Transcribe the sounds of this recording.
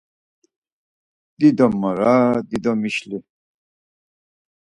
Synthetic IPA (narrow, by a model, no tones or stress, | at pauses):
d̪̥id̪ɔmɐɾad̪id̪ɔmiɕli